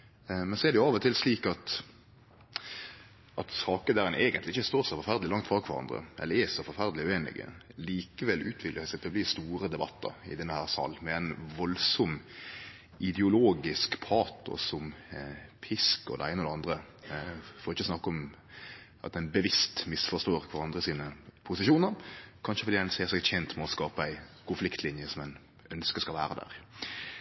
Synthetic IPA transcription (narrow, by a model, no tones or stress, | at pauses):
mɛnsɔɛʁd̪ɛjʊɑːʋɔt̪ʰɪlsliːkɑt̪ | ʔɑt̪sɑːkəd̪æːɾɛnʔeːɡənt̪lɪɪçəst̪oːʁsɔfɔɾfæʁd̪lɪlɑŋkt̪fʁɑːɡkʰʋɑɾɑ̰nd̪ʁə̰ʔɛ̰lːəɛsɔfɔɾfæʁd̪əlɪʉeːnɪ̰ɡə̰liːkəʋɛlʉːt̪ʰʋɪkləɾsɛt̪əbliːst̪uːɾəd̪ɛbɑt̪ːə̰ɾɪ̰d̪ɛnːəhæːʁsɑ̰ːlmɛæɪnʋɔlsɔm | ʔɪd̪ɛʊloːɡɪskpʰɑːt̪ɔ̰sɔm | pʰɪskɔ̰d̪ɛ̰æ̰ɪnəɔd̪ɛɑnd̪ʁə | fɔɾɔɪçːəsnɑkːɔm | ʔɑt̪ɛnbəʋɪst̪mɪsfɔst̪oːɾkʰʋɑɾɑnd̪ʁəsiːnəpʰʊsɪʃuːnəɾkʰɑnʃəfɔd̪iːɛnseːʁsɛɡçɛnt̪mɛɔskɑːpəæɪkʰʊnflɪkt̪lɪnjəsɔmɛn | œnskəskɑlʋæːɾəd̪æ̰ːʁ